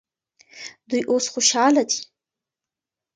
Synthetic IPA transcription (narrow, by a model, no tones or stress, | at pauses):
dwiʔosχʷʊʃaːlatʼ